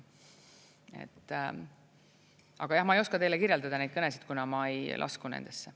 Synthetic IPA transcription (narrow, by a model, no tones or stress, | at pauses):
e̞̰t̪ːˑ | ʔɑɡ̥ɑjɑhmɑejoskɑt̪ejle̞kirjeld̪ɑd̪ɑnejt̪̚ɤnesid̪̥̚kunɑmɑejlʔɑ̰skunḛnd̪̥e̞sːe